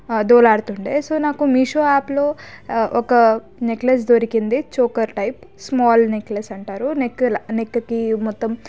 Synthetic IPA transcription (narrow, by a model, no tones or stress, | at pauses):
d̪uːlaːɽt̪uɳʈeːsoːnaːkumiʂoːaːplo̞ːʔɔkɐ | nekles̬d̪oɾikind̪it͡ʃoːkɐɾʈɐjpsmaːlneklesɐɳʈaːɾunekːɐlɐnekːɐkimɔt̪ːɐm